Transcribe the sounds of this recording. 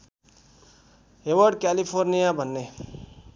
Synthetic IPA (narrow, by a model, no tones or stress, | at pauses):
ewʌɾɖkalipʰoɾnijabʱʌnːe